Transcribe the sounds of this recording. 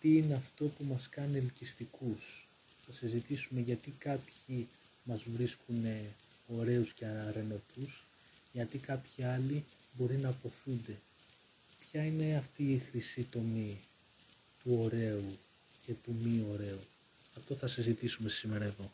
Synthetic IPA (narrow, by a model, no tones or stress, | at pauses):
t̪iine̞ɐft̪o̞pumɐskɐnilcist̪ikus | θɐsizit̪isume̞ʝɐt̪ikɐpçi | mɐzvɾiskune̞ | o̞ɾe̞usce̞ɐɐɾe̞no̞t̪us | ʝɐt̪ikɐpçiɐli | bo̞ɾinɐpo̞θund̪e̞ | pçɐine̞ɐft̪iːxɾisit̪o̞mi | t̪uo̞ɾe̞u | ce̞t̪umio̞ɾe̞u | ɐft̪o̞θɐsizit̪isume̞sime̞ɾɐe̞ðo̞